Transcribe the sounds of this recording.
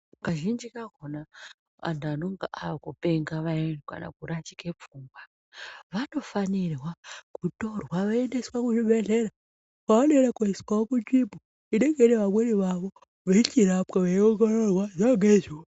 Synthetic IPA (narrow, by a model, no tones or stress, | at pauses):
kaʒind͡ʒikakona | a̰ntanoŋɡa̰ʔaʋakupeŋɡaʋanka̰na̰kuɾatikepp͡fuːŋɡwa | ʋano̞fanirwakutorwaʋaendeswakuʐiɓeɮeɾa | kaoneeɾakoiswaokut͡ʃipu | iɗeɡeɾeʋamweɾiʋaʋo | ʋeit͡ʃiɾapkaʋeioɡonorwazaɡezw